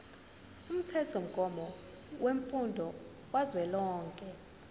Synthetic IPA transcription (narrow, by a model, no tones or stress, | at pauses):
um̩tʰɛtʰom̩ɡ̥ʱɔmɔ | weɱfundʱɔ | wazwɛlɔːŋkʼɛ